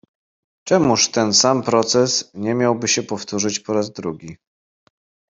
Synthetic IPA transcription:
t͡ʂɛmuʂt̪ɛnsampɾɔt̪sɛsɲɛmʲjawbɘɕɛpɔft̪uʐɘt͡ɕpɔɾazd̪ɾuɡʲi

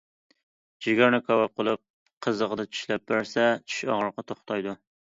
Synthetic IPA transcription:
d͡ʒɪɡʲæɾnɪkʰɑwɑp̚qʰəlˠɨp̚ | qʰəzəʁəd̪ɛt͡ʃʰy̥ʃlɛp̚bɪɾsɛt͡ʃʰy̥ʃɑ̰ʁəɾqɑt̪ʰoχt̪ʰɑjd̪ʊ

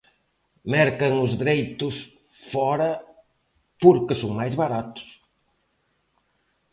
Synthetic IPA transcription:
mɛɾkɐŋʊzðɾejt̪ʊs | fɔɾɐ | poɾkɪsoŋmajzβaɾat̪ʊ̥s

